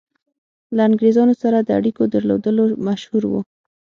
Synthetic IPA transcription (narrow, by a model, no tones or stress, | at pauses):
laːŋɡɾezɑnosaɾad̪əa̰ɽikod̪əɾlo̰d̪əlomaʃhuɾwṵ